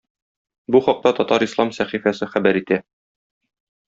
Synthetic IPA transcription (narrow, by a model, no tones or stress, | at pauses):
buχɒq̚t̪ɑt̪ɒt̪ɑɾislˠɑmsæχifæsɘχæbæɾit̪æ